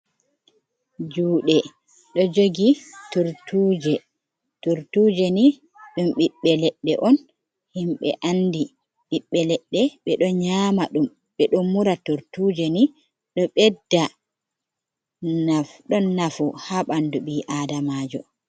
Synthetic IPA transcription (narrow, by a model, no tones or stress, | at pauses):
d͡ʒuːɗɛ | ɗɔd͡ʒoɡituɾtuːd͡ʒɛ | tuɾtud͡ʒɛni | ɗumɓiɓːɛlɛɗːɛ̰ʔɔn | himɓɛ̰ʔandi | ɓiɓːɛlɛɗːɛɓɛɗɔɲaːmaɗum | ɓɛɗɔmuɾatuɾtuːd͡ʒɛni | ɗɔɓɛdːa | nafɗɔnːafuhaɓanduɓiːʔadamaːd͡ʒɔ